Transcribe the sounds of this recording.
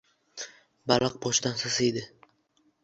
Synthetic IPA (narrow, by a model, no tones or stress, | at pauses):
balˠɑq̚bɒʃɪd̪ansasɪjd̪ɪ